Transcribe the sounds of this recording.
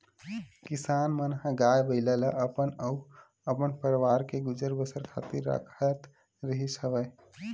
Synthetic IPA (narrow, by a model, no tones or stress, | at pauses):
kisaːnmənɦə̃ɡajbəɪlələʔəpənə | əpənpəɾʋaːɾkeɡʊd͡ʒəɾbəsəɾkʰa̰t̪iɾːə̰kʰət̪ | ɾəɦisəbə